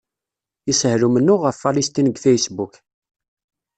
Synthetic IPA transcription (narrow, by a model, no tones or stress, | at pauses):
ishɾumənːʊʁəfːalist̪inəɡθæjəsbuk